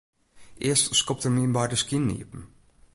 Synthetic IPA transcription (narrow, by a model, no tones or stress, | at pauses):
ʔɪəstskɔp̚tərminbajdəskinːḭəpm̩